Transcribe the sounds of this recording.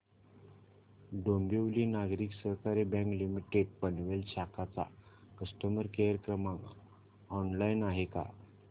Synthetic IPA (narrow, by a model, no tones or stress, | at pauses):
ɖombiʋliːnaɡɾiːksəkaɾebãŋklimiʈeɖ̚pənʋelɕakat͡sa̰ | kəsʈəməɾkejəɾəkɾəmãŋ | ɔnlajnaɦeka̰